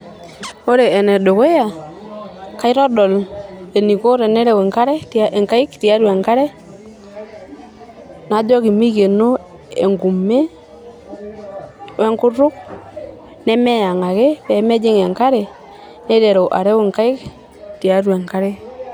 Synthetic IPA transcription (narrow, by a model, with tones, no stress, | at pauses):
o˦ɾe˨ɛ˨nɛ˨ɗo˨ke˦ja˨ | ka˦ɪ˦ɾɔ˦dɔ˨le˨ni˨ko˦ɾe˨nɛ˦ɾe˦˨we˨ŋka˦ɾɛ˦te˨ŋka˦ɪ˦kti˨a˦ɾwe˨ŋka˦ɾɛ˦ | na˨˦d͡ʒɔ˦ki˨mi˦ke˨no˦ | ḛ˨ŋɡu˨me˦ | we˦ŋkʊ˦ɾʊ˦k̚ | nɛ˦mɛ˦ja˨ŋa˨ɣe˦pɛ˨˦mɛ˦d͡ʒɪ˦ŋɛ˨ŋka˦ɾɛ˨ | nɛ˦de˨ɾo˨ʔa̰˨ɾɛ˦we˨ŋka˦ɪ˦k | ti˨a˦ɾwɛ˨ŋka˦ɾɛ˦